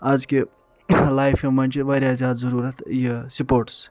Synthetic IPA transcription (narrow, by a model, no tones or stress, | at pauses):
azke | laːjfʰɐmɐnʲt͡ʃʰiʋɐːɾjazjaːd̪zɐɾuːɾɐt̪ʰjesupoːɾʈs